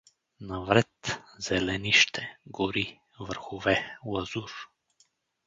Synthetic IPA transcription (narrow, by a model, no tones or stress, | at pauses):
navɾɛt̪z̥ɛlɛniʃt̪ʰɛɡɔɾi | vər̩xuvɛlˠaz̥uɾ